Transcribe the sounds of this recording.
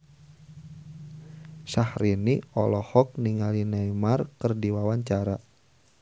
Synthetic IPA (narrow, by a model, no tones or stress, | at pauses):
sahɾiniɔlɔhɔk̚niŋalinajmarkɨrdiwawaɲt͡ʃaɾa